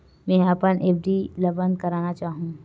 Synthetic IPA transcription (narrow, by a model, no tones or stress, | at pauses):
mɛ̃ːɐpənʔeːpʰɖilɐbə̃nd̪̚kɐɾaːnat͡ʃaːɦũː